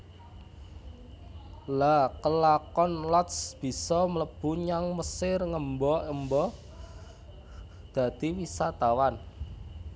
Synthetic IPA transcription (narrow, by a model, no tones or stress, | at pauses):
lakəlakɔnlɔt̪sb̥i̤sɔmələb̥ṳɲaŋməsɪrŋəmbɔəmbɔ | d̪̥ä̤d̪̥iwisat̪awan